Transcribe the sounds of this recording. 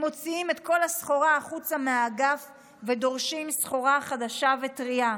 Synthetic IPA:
mo̞t͡siime̞tko̞lasχo̞ʁaːχut͡sameaɡaf | ve̞do̞ʁʃimsχo̞ʁaχadaʃave̞tʁia

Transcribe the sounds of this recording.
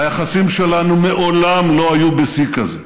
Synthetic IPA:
ajaχasimʃelanumeʔolamlo̞ajubesikaze

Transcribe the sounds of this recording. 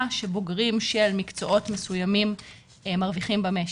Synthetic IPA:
ʃeboɡʁimʃelmikt͡so̞ʔo̞tmesujamim | maʁviχimbame

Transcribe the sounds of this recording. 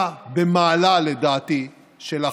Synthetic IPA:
bemaːlaled̪aːt̪i | ʃela

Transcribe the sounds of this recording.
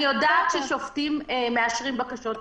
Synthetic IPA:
ijodaːtʃeʃoftimmeaʃʁimbakaʃo̞t

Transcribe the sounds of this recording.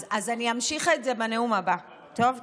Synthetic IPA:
azaniamʃiχetze̞bene̞umaba | to̞v

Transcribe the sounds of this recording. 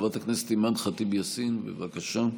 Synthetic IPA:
vat̪aknese̥t̪imadχat̪ibjasinbḛvakaʃa

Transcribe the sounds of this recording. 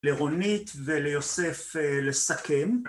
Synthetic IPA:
leʁonit̪velejo̞seflesakem

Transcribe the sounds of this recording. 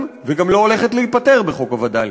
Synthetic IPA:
mveɡamlo̞ole̞χet̪leit̪̚pat̪e̞ʁbeχo̞kavad̪a

